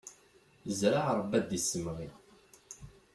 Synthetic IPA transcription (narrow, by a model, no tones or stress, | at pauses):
zɾaʕɾˤəbːæd̪isːəmʁi